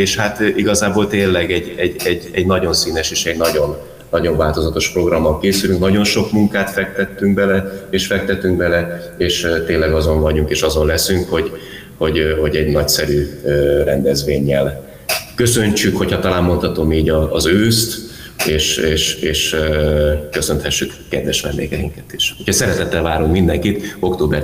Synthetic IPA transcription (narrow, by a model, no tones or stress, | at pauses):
eːʃhat̪iɡɒzaːboːlt̪eːnlɛɡɛɟɛɟɛɟɛɟnɒɟo̞nsiːnɛʃeːʃɛɟnɒɟo̞nː | ɒɟo̞ɱvaːlt̪o̞zɒt̪o̞ʃpro̞ɡrɒmːɒlkeːsylyŋknɒɟo̞nʃo̞kmuŋkaːt̪fɛk̚t̪ɛt̪ːyŋɡ̚bɛlɛeːʃfɛk̚t̪ɛt̪ːyŋɡbɛlɛeːʃt̪eːlːɛɡɒzo̞ɱvɒɟuŋkeːʃɒzo̞nlɛsyŋkho̞ɟ | ho̞ɟho̞ɟɛɟnɒcsɛɾyøɾɛnd̪ɛzʋeːɲːɛl | kø̞sø̞ɲt͡ʃykho̞chɒt̪ɒlaːmːo̞nt̪ɒt̪o̞miːɟɒːzøːst̪ | eːʃeːʃeːʃ | kø̞sø̞nt̪hɛʃːykːɛd̪vɛʃʋɛ̰nd̪ḛːɡɛiŋkɛt̪i̥ʃhochɒsɛɾɛt̪ɛt̪ːɛlvaːɾuŋkmind̪ɛŋkit̪o̞kt̪oːbɛr